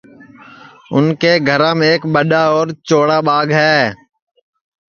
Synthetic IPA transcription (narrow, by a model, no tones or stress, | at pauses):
ʊnkeːɡʱəɾãːmeːkɓəɗaːɔːɾt͡ʃoːɽaːɓaːɡɦɛː